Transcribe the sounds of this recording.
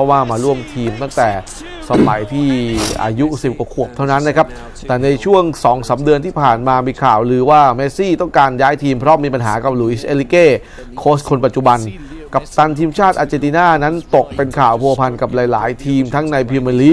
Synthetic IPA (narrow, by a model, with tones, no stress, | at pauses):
ɔ˦˥waː˥˩maː˧ɾu˥˩əmt̪ʰiː˧mt̪a˥˩ŋt̪ɛː˨˩ | sa˧ma˨˩˦jt̪ʰiː˥˩ʔa̰ː˧ju˦˥si˨˩p̚ka˧˩kʰu˨˩əp̚t̪ʰa˥˩wna˦˥nːa˦˥kʰa˦˥p̚ | t̪ɛː˨˩na˧jt͡ɕʰu˥˩əŋsɔː˩˦ŋsaː˩˦mdɯ˧ənt̪ʰiː˥˩pʰaː˨˩nmaː˧miː˧kʰaː˨˩wlɯː˧waː˥˩meː˦˥siː˥˩t̪ɔ˥˩ŋkaː˧njaː˦˥jt̪ʰiː˧mpʰɾɔ˦˥miː˧pa˧nɦaː˩˦ka˨˩p̚luː˧˩ʔi˦˥˩sʔe˧li˦˧keː˥˩ | kʰoː˦˥st̪̚kʰo˧npa˨˩t̪̚t͡ɕu˨˩ba˧n | ka˨˩p̚t̪a˧nt̪ʰiː˧mt͡ɕʰaː˥˩t̪̚ʔaː˧t͡ɕe˧t̪iː˧naː˥˩na˦˥nt̪o˨˩k̚pe˧nkʰaː˨˩wpʰu˧ɐ˧pʰa˧nka˨˩p̚laː˨˦jlaː˩˦jt̪ʰiː˧mt̪ʰa˦˥ŋna˧jpʰi˧ma˧li˦˥